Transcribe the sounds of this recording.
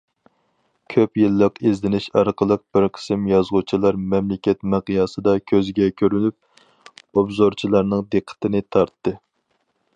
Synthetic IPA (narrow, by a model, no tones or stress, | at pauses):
kʲʰøpjilˠːəqezlɪnɪʃɑɾqʰəlˠəq̚b̥ɪɾqʰə̥sɪmjɑzʁut͡ʃʰilˠɑɾmɛmlɪkʲɛt̪mæqijɑːsɨd̪ɑkʲʰøzɡʲɛkʲʰøɾynyp̚ | obzoɾt͡ʃʰilˠɑɾnɨŋd̪eqʰːə̥t̪ʰɨnɪt̪ʰɑɾt̪ːɨ